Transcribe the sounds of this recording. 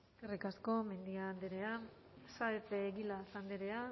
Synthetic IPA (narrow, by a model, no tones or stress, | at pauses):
kerikasko̞me̞nd̪iand̪eɾe̞a | saet͡seːɣilasand̪eɾe̞a